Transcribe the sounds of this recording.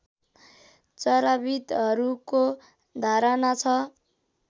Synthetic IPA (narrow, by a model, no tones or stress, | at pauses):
t͡sʌɾabit̪ɦʌɾuko | d̪ʱaɾʌnat͡sʰʌ